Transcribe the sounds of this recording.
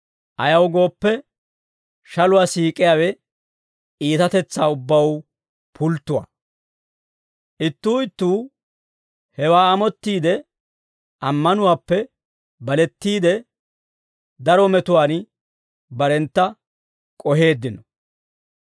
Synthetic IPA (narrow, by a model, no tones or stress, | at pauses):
ʔɐjɐwɡo̞ːpːɛ | ʃɐlʊwaːsiːkʼɪjaːwɛ | iːt̪ɐt̪ɛt͡sːaːʊbːɐw | pʰʊlt̪ːʊwa̰ː | ʔɪt̪ːuːɪt̪ːuː | hɛwaːɐmɔt̪ːiːd̪ɛ | ʔɐmːɐnʊwaːpːɛ | bɐlɛt̪ːiːd̪ɛ | d̪ɐɾɔmɛt̪ʊwaːn | bɐɾɛnt̪ːɐ | kʼɔɦe̞ːd̪ːɪnɔ